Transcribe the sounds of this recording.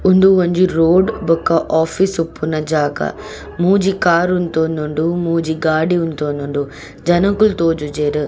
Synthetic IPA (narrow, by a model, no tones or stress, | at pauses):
ʊ̃nd̪uʋɐ̃ɲd͡ʑiɾoːɖbʊkaʔɔːfisʊpːunɐd͡ʒaːɡa̰ | mũːd͡ʑiːkaːɾʊnt̪oːnd̪ʱʊɳɖumũːd͡ʑiːɡaːɽiʊnt̪oːnd̪ʱuɳɖu | d͡ʒɐnɐ̃kʊlt̪oːd͡ʒud͡ʒeːɾ